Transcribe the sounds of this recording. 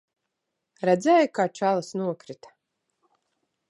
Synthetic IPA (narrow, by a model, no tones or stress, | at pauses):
ɾɛd̪zɛːjkaːt͡ʃalˠɨsnuɔkɾit̪ḁ